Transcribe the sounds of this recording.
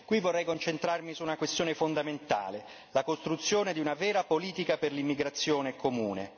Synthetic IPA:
kwivːorːɛjkont͡ʃent̪ɾarmisuːnakwest̪joːnefond̪ament̪a̰ːle | lakost̪ɾut̪sːjoːned̪iunavɛːɾapoliːt̪ikaperlimːiɡɾat̪sːjoːnekomuːnḛ

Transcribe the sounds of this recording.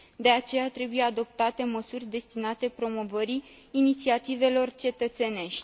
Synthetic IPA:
d̪e̞at͡ʃe̞jat̪ɾe̞buje̞ad̪o̞p̚t̪at̪e̞məsurʲd̪e̞st̪inat̪e̞pɾo̞mo̞vəɾiː | nit̪siat̪ive̞lo̞rt͡ʃe̞t̪ət̪se̞ne̞ʃt̪ʲ

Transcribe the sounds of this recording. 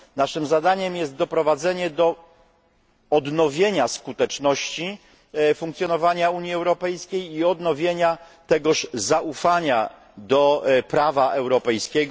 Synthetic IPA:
naʂɘmzad̪aɲɛmjɛst̪̚d̪ɔpɾɔvad̪zɛɲɛd̪ɔ | d̪nɔvʲjeɲaskut̪ɛt͡ʂnɔɕt͡ɕi | fũŋkt̪sʲjɔnɔvaɲauɲjiɛwɾɔpɛjskʲejiɔd̪nɔvʲjeɲa | t̪ɛɡɔʂzaufaɲa | d̪ɔpɾavaʔɛwɾɔpɛjskʲɛɡ

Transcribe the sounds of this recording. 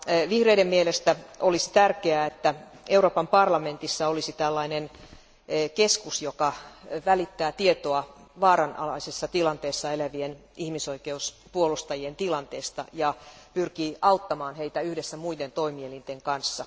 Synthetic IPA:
ʋihreidemmielest̪æʔolisi̥t̪ærkeæet̪ːæ | euɾroːpɑmpɑrlɑme̞nt̪isːɑolisit̪ælːɑinenː | keskusjokɑʋælit̪ːæːt̪iet̪oɑʋɑːɾɑnɑ̰lɑisesːɑt̪ilɑnt̪eːsːɑelæʋienihmiso̞ikeus | puolust̪ɑjient̪ilɑnt̪eːst̪ɑ̰jɑpyrkiːɑut̪ːɑmɑːnheit̪æyhdesːæmuident̪o̞imielint̪eŋkɑnsːɑ

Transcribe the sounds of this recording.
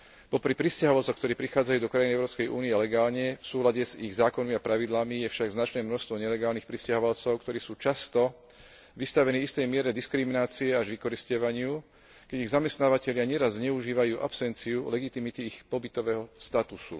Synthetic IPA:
pɔpɾipɾiscaɦɔʋalt͡sɔkt̪ɔɾiːpɾixaːd͡zajuːd̪ɔkɾajiniɛʊɾɔːpskɛjʔṵːniɛlɛɡaːlɲɛfsuːlaɟɛziɣzaːkɔnmiapɾaʋid̪lamijɛfʃaɡznat͡ʃnɛːmnɔʃst̪ʋɔɲɛlɛɡaːlnixpɾiscaɦɔʋalt͡sɔʊkt̪ɔɾiːsuːt͡ʃast̪ɔ | ʋist̪aʋɛniːist̪ɛjmɪɛɾɛd̪iskɾiminaːt͡siɛaʒʋikɔɾiscɔʋaɲɪu | kɛɟiɣzamɛst̪naːʋacɛʎɪaɲɛɾazzɲɛuʒiːʋajuːʔa̰psɛnt͡siulɛɡit̪imit̪iːxpɔbit̪ɔʋɛːɦɔst̪at̪usṵ

